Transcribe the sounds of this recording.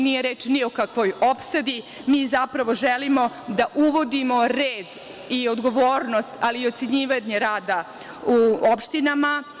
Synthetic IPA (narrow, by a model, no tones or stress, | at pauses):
nijeɾeːt͡ʃniokakʋo̞jopsad̪i | miːzapɾaʋo̞ʒelimo̞ | d̪aʔuʋo̞d̪imo̞ɾeːd̪ | io̞d̪ɡo̞ʋoːɾnost̪aliːo̞t̪se̞ɲiːʋaɲeɾaːd̪a | uopʃt̪inama